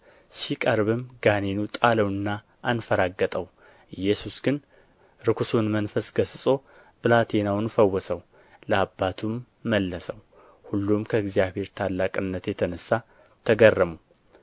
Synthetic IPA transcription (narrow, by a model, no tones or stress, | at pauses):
sikʼəɾβɨmɡanenut̪ʼaləwɨnːa | ʔːnfəɾaɡːət̪ʼəw | ʔɨjːɛsusɡɨn | ɾɨkʰusunmənfəsɡ̥əsɨsʼo̞ | bɨlat̪ʰenawnfəwːɔsəw | ləabːat̪ʰumː | əlːəsəw | hulːumkʰəɨɡzijaβhe̞ɾt̪ʰalːakʼɨnːət̪jɛt̪ʰənəsːa | t̪ʰəɡərːəmu